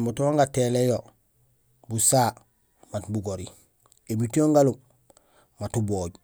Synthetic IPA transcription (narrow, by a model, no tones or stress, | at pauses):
motooŋɡatelejo | busaː | matbuɡoɾi | emitioŋɡalum | matuboːɟ